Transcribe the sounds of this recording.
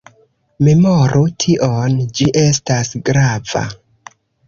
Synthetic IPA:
me̞moɾʔutʰiʔond͡ʒiʔe̞s̬tasɡɾava̰

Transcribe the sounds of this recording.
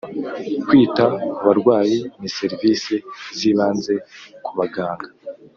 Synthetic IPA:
kwiːtakuβaɾɡwaːjinise̞ɾvisiziːβaːnze̞kuβaɡaːŋɡa

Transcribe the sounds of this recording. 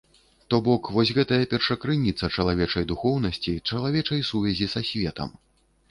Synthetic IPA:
t̪ɔbɔkvɔsʲɣɛt̪ɐjɐpʲɛrʂɐkɾɨnʲit̪sːɐt͡ʂɐlˠavʲɛt͡ʂɐjd̪uxɔwn̪ɐsʲt͡sʲit͡ʂɐlˠavʲɛt͡ʂɐjsuvʲɛzʲisasʲvʲɛt̪ɐ̰m

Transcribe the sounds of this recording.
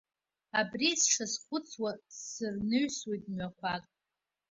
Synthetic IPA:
abrisʂasχʷʊt͡sʰwasɨrnɨɥswejtʼmɥakʷʰakʼ

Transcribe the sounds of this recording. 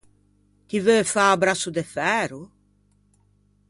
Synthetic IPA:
kivøfaːbɾasud̪efɛɾʊ

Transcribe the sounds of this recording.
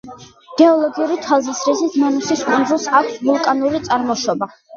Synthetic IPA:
ɡ̥ɛɔlˠɔɡiuɾit̪ʰalˠzisɾisisʰmanusiskʼund̪zulˠsakʷʰsvulˠkʼanuɾit̪sʼaɾmɔʃɔba

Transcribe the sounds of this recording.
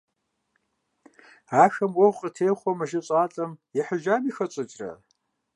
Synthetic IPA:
aːxɐmwɔwʷqʼətʰeːχʷɔmɨʒɪɕʼaːɬʼɐmjɛħəʒaːmixɐt͡ɕʼɨt͡ʃʼrɐ̰

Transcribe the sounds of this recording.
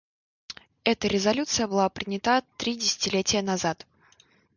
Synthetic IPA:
ɛt̪əɾʲɪzɐlʲut̪sɨjəbɨlˠapɾʲɪnʲɪt̪at̪ɾʲidʲɪsʲɪ̥tʲɪlʲetʲɪjənɐzat̪

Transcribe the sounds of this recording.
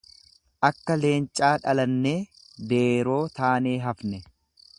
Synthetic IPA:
ʔɐkːɐle̞ːnt͡ʃʼːaːᶑɐlɐnːe̞ː | d̪eːɾo̞ːt̪aːneːɦɐfnɛ

